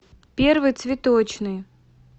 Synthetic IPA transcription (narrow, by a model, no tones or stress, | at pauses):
pʲervɨjt̪svʲɪt̪ot͡ɕnɨj